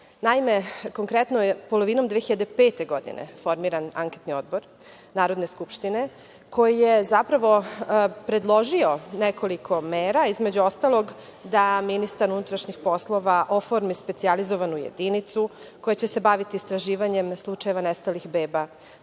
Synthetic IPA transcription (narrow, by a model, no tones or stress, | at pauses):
naimeko̞ŋkɾet̪nojepo̞loʋino̞md̪ʋeçiʎad̪epe̞ːt̪e̞ɡo̞d̪ḭnḛfo̞ɾmiɾana̰ŋket̪nio̞d̪̚bo̞ɾ | naːɾod̪neskupʃt̪ine̞ | ko̞jijezapɾaʋo̞pɾe̞d̪lˠo̞ʒio̞nekʰo̞likʰo̞meːɾaizme̞d͡ʑuo̞st̪alˠo̞ɡ | d̪aminist̪aɾunut̪ɾaʃɲixpo̞slˠo̞ʋaʔo̞foɾmispetsializo̞ʋanujḛd̪init̪su | ko̞jet͡ɕese̞baʋit̪iːst̪ɾaʒiːʋaɲe̞mslˠut͡ʃaje̞ʋanest̪alixbeːba